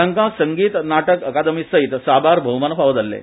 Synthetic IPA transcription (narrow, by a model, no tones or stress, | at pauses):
ãŋkãsəŋɡiːt̪naʈəkəkad̪əmisəit̪sabaɾbʱəwmanəpaʋəd͡z̪alːḛ